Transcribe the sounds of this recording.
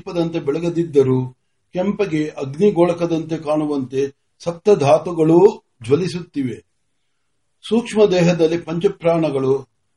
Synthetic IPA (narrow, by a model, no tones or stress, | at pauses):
pɐd̪ɐnt̪e̞bɛɭɐɡɐd̪id̪ːɐɾu | kɛmpɐɡe̞ʔɐɡniɡɔːɭɐkɐd̪ɐnt̪̬e̞kaːɳuʋɐnt̪e̞ | sɐp̚t̪ɐd̪ʱaːt̪uɡɐɭu | d͡ʒʋɐlisut̪ːiʋe̞ | suːkʂmɐd̪ɛːɦɐd̪ɐlːipɐɲt͡ʃɐpɾaːɳɐɡɐɭu